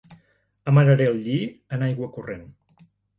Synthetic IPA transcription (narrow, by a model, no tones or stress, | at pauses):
əməɾəɾeəlˠʎiənajɣwəkuren